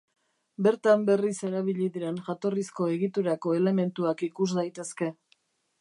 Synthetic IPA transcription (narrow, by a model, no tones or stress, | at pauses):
be̞ɾt̪ambe̞rise̞ɾaβ̞iʎiðiɾe̞nʝat̪o̞risko̞e̞ɣit̪uɾako̞e̞le̞me̞nt̪uakikusd̪ajt̪e̞ske̞